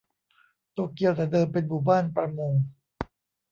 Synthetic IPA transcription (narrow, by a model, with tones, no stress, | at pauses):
t̪oː˧˥˩ki˧əwt̪ɛː˨˩dɤː˧mpe˧nmuː˨˩baː˥˩npɾa˧moː˧ŋ